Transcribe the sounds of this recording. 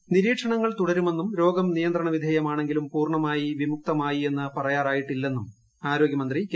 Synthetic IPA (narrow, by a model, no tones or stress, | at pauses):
niɾiːʈʂɐɳɐŋːɐɭt̪uɽɐɾume̞nːumɾo̞ːɡɐmnijɐnd̪rɐɳɐʋid̪ʱeːjɐmaːɳe̞ŋɡilumpuːrɳɐmaːjiʋimuk̚t̪ɐmaːjie̞nːɨpɐrɐjaːraːjiʈːilːe̞nːum | aːɾoːɡjɐmɐnd̪ri